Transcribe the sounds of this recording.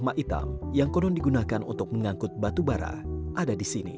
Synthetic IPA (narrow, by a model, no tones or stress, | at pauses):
maʔit̪a̰mjaŋkɔnɔndiɡunakanṵnt̪ʊk̚məŋaŋkʊt̪̚bat̪ubaɾa̰ʔadadisinḭ